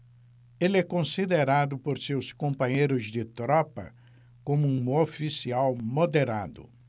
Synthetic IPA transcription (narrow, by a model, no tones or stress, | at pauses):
elɛkõsid̪eɾad̪ʊpoɾsewskõmpɐ̃ɲejɾʊzd̪ɪt̪ɾɔpɐ̰ | kõmʊũofisiawmod̪eɾa̰d̪ʊ̰